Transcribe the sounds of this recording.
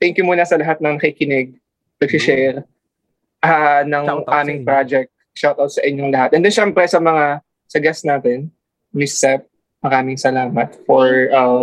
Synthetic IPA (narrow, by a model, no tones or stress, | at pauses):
t̪ɛŋkjʊmuːnɐsɐlɐɦat̪̚nɐŋkikɪnɪɡ̚ | nɐɡsɪʃɛɾ | ʔɐnɐŋʔaːmɪŋpɾad͡ʒɛk̚t̪̚ | ʃawt̪awt̪sɐʔɪɲːoŋlɐhat̪ʔɛnd̪ɛnʃɛmpɾɛsɐmɐŋa | sɐɡɛst̪naːt̪ɛn | mɪsːɛp̚ | mɐɾaːmɪŋsɐlaːmɐt̪̚fɔɹʔɐ